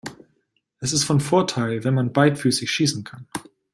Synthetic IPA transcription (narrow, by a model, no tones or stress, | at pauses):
ʔɛsɪstfɔnfoːɐtʰaɪlvɛnmanbaɪtfyːsɪçʃiːsn̩kʰan